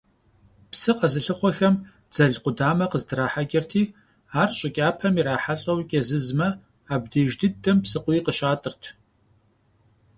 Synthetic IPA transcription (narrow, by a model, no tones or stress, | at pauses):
psɨqɐzɨɬɨχʷɔxɐm | d͡zɐɮqʷʊdaːmɐqəzdɨɾaːħaɡʲɐrtʰiː | aːrɕʼɪkʲʼaːpʰɐmiɾaːħaɬʼɐwkʲʼɐzɨzmɐ | aːb̚deːʒdɨdɨmpsɨqʷʊiːqəɕaːtʼɨrtʰ